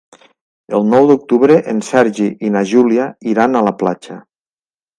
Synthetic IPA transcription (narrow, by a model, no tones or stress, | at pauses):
əlˠnɔwd̪uk̚t̪uβɾeʔensɛɾʒiʔinaʒuliaiɾanalapla̰t͡ʃa